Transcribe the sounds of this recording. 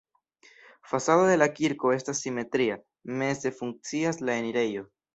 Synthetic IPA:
fasado̞d̪e̞lakiɾko̞e̞stasːime̞t̪ɾia | me̞ze̞fuŋk̚t͡siaslae̞niɾe̞jo̞

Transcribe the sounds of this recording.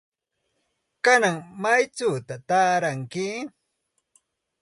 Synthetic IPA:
kanaŋmajt͡saːt̪at̪aːɾaŋkɪ

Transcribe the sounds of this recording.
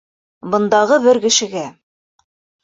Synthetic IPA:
bɤ̆nd̪ɑʁɤbɘɾkɘ̆ʃɘ̆ɡæ

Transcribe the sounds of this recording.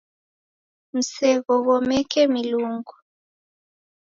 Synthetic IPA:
m̩sɛɣɔɣɔmɛkʰɛmiluːŋɡu

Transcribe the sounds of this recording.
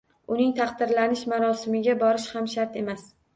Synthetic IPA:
ʊnɪŋt̪ʰɑqd̪ɪɾlanɪʃmaɾɒsɪmɪɡʲabɒɾɪʃhamʃaɾt̪e̞mas

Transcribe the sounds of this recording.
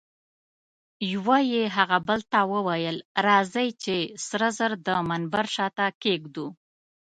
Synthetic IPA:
jwajeɦaɣabəlt̪awəwajəlɾɑzəjt͡ʃesɾəzəɾd̪əmanbaɾʃɑt̪akeɡd̪u

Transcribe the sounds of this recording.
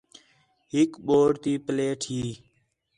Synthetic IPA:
ɦɪkɓoːɾt̪iːpəleːʈʰɦiː

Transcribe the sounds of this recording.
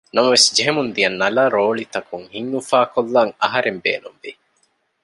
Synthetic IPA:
nɐmɐʋesd͡ʒeɦemund̪ijɐnːɐlaːɾoːlit̪ɐkuŋhiŋnufaːkolːaŋɐ̰ɦɐɾembḛːnumʋi

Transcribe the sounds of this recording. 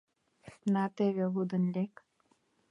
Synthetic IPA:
nat̪eʋjəɦud̪ənlek

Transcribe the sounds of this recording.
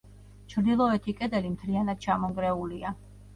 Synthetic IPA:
t͡ʃʰɾd̪ilˠɔɛt̪ʰikʼɛd̪ɛlimt̪ʰlianad̪̥̚t͡ʃʰamɔŋɡɾɛulia

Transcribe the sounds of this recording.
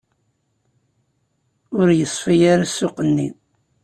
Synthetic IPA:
ʊɾjəsˤːfijaɾasːʊqənːi

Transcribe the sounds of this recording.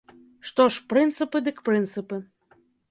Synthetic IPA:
ʂt̪oʂpɾɨnt̪sɨpɨd̪ɨkpɾɨnt̪sɨpɨ

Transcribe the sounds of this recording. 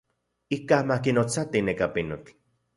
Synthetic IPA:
ikamakinot͡sat̪inekapinot͡ɬ

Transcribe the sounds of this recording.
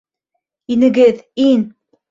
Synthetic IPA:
inɘ̆ɡɘðin

